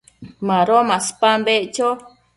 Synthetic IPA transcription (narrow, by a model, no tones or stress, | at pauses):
mãɾomãspambeʔt͡ʃo